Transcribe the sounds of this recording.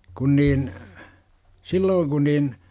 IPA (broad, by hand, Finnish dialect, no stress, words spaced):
kun niːn silːoːŋ ku niːn